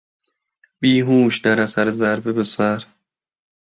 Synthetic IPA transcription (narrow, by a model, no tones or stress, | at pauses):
b̥iːɦuːʃd̪æɾæsæɾezæɾbebesæɾ